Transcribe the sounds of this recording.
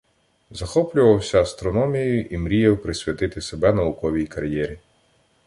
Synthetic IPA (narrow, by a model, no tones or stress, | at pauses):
zɐxɔplʲʊʋɐwsʲɐːst̪ɾɔnɔmʲijɐjʊʔimɾʲijɛwpɾɪsʲʋʲɐt̪ɪt̪ɪsebɛnɐʊkɔʋʲijkɐɾjɛɾʲi